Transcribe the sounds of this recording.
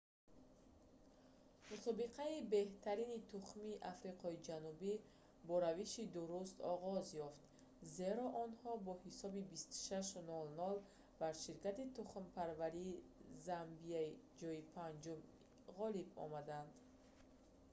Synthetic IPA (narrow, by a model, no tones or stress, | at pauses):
musɔbiqʰaibe̞ht̪ʰaɾinit̪ʰuχmiʔafɾiqʰɔid͡ʒanubi | bɔɾaviʃid̪uɾust̪ɔʁɔzjɔft̪ | ze̞ɾɔʔɔnhɔbɔhisɔbibist̪u̥ʃaʃnɔlnɔl | baɾʃiɾkat̪it̪uχmpʰaɾvaɾiːzambiaid͡ʒɔipʰand͡ʒum | ʁɔlibɔ̰mad̪and̪